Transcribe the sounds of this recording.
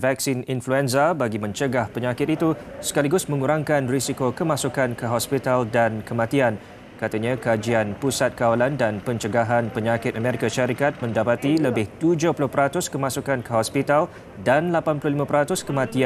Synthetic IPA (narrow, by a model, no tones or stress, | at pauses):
vɛk̚sininfluɛnsabaɡimə̃ɲt͡ʃəɡahpəɲakɪt̪it̪usə̥kaliɡʊsmə̃ŋuɾaŋkanrisikokəmãsukankəɦɔspit̪aldankəmãt̪ian | kat̪aɲãkad͡ʒianpusat̪̚kawalandanpəɲt͡ʃəɡaɦanpəɲakɪt̪̚amẽɾikaʃaɾikat̪̚mə̃ndapat̪iləbɪht̪ud͡ʒʊhpulʊhpəɾat̪ʊskəmãsukankəɦɔspit̪al | danlapanpulʊhlimãpəɾat̪ʊskəmãt̪ia